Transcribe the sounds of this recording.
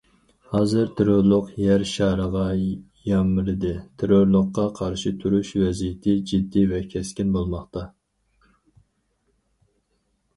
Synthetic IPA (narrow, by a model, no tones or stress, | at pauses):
hɑːzɨɾt̪ʰeɾoɾlˠʊqjɛɾʃɑːɾəʁɑ | jɑmɨɾɨd̪ɨt̪ʰeɾoɾlˠəqːɑqʰɑɾʃɪt̪ʰuɾuʃvɛzijɪt̪ʰɪd͡ʒid̪ːivɛkʲʰɛskʲinbolˠmɑχt̪ɑ